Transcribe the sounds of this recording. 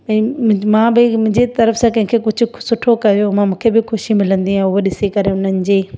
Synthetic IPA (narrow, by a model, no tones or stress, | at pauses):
ɐ̃mãːbɪmʊ̃ɦɪ̃ɲd͡ʑet̪ɐɾəfsãkɐ̃ɦɪ̃kʰekʊd͡ʑʱʊ̆sʊʈʰokɐjomãmũːkʰebɪxʰʊʃimɪlə̃nd̪iɦãʊɦoɗɪsekɐɾeʊn̤ənɪ̆d͡ʑeː